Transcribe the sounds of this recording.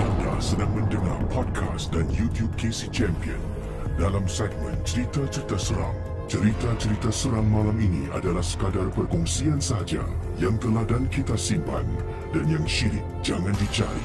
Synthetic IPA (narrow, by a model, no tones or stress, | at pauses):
ʔanda̰hsədaŋmə̃ndəŋa̰rpʰɔd̚kʰa̰sdanjut̪jub̚kesit͡ʃɛmpiə̰n | dalamsɛɡ̚mə̰̃nt͡ʃəɾit̪at͡ʃəɾit̪asəɾa̰ŋ | t͡ʃəɾit̪at͡ʃəɾit̪asəɾaŋmãlaminia̰dalahsə̥kadarpərkɔŋsiansəɦad͡ʒa̰jaŋt̪əladankit̪asimpa̰n | danjaŋʃiɾɪk̚d͡ʒaŋãndit͡ʃaɾḭ